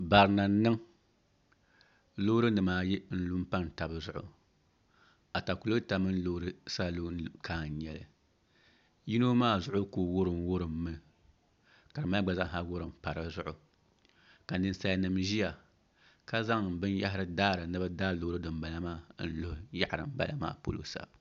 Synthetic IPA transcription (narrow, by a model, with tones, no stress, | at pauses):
ba˨ɾɨ˨na˨˦nɨ˦ŋ | lo˦ɾɨ˦nɨ˨maː˨jɪ˦n̩˦lu˦m̩˦pa˦n˨ta˨bɨ˨zʊ˦ʔʊ̰˨ | a˨ta˨ku˨lo˦ta˨mɨ˦n̩˦lo˦ɾɨ˦sa˦lu˦kʰaː˨n˨˦ɲɛ˨lɨ̰˨ | ji˦no˦maː˦zʊ˦ʔʊ˦koː˨wʊ˦ɾɨ˨mwʊ˦ɾɨ˨mːɨ˨ | ka˨ɾɨ˨ma˦ɡ͡ba˨za˦ŋɦa˦wʊ˦ɾɨ˨m˨pa˨ɾɨ˦zʊ˦ʔʊ˨ | ka˨nɨ˦n˦sa˦ja˦nɨ˨mʒi˦ja˨ | ka˦za˦ŋ˨bɨ˦nja˦ɦɪ˦ɾɨ˦daː˦ɾɨ˨nɨ˦ba˦daː˦˨loː˦ɾɨ˦dɨ˨mba˨la˦maː˦n̩˦lo˦hja˦˨ʔɾɨ̰˨m̩˦ba̰˨la̰˦˨ma̰ː˦po̰˦lo̰˦sa̰˨